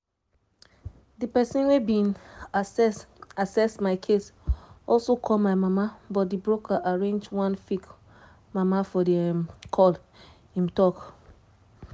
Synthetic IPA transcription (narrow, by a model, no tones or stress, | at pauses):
dipɛsĩnwebĩn | asɛsmaɪkʰesɔlsokʰɔlmaɪmamabɔt̚dibɹokaʔaɹẽnd͡ʒwãnfik | mamafɔdikʰɔl | ĩmtɔk